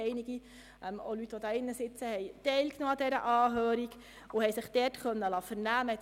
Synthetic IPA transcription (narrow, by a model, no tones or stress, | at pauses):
ɛɪniɡ̥i | ʔɛmo̰lyt̪ːʋɔd̪ɑːɪnːəsɪt͡səhɛjtɛɪlknoːɑd̪ɛɾə̰ʔɑːɦøːɾiɡ | ʊhɛɪsɪχd̥̪ɛtχœnːəlɑːfəɾnæːmə